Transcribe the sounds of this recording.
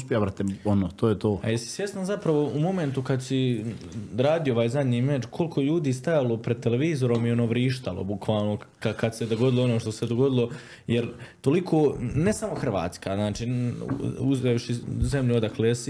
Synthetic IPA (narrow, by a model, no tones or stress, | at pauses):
uspʲjabɾat̪eonoːt̪oːjet̪oːpajesi̥sʋje̞st̪anzapɾaʋo̞umo̞ment̪ukad̪si | ɾaːd̪ijooʋaːjzad̪ɲiːmeːd͡ʒkʰo̞lkʰojeʎuːd̪iːst̪ajalopɾed̪̚t̪eleʋiːzo̞ɾomjeonoʋɾiːʃt̪alo̰bukʋaːlˠno̞kakad̪sed̪o̞ɡo̞d̪ilˠoo̞noːʃt̪ose̞d̪o̞ɡo̞d̪ilo̞ | jeɾt̪olikʰoːne̞samo̞xr̩ʋa̰ːt̪skaznaːt͡ʃḭː | uzeːʃize̞mʎuod̪akleːsi